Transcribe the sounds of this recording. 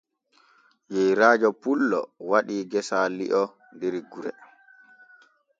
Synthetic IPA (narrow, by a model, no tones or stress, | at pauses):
jɛjɾaːd͡ʒɔpulːɔ̰waɗiːɡɛsalḭʔɔ | ndeɾiɡuɾɛ̰